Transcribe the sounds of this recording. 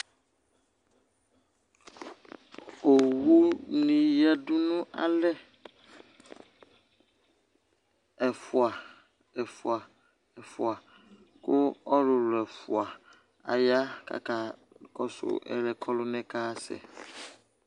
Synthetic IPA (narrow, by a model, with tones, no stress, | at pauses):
o˨wu˦nĩ˨jɛ˦dʊ˦nʊ̃˦ʔa̰˨lɛ˦ | ɛ˨fʊ˨a˨ | ɛ˨fʊ˨a˨ | ɛ˨fʊ˨a˨ | kʊ˦ɔ˦lʊ˨lʊ˨ɛ˨fʊ˨a˨ | a̰˨ja˦kʰa̰˨ka˨ | kɔ˨sʊ̰˨ɛ̰˨lɛ˨kʰɔ˦lʊ˦nɛ̃˦kaː˦sɛ̰˨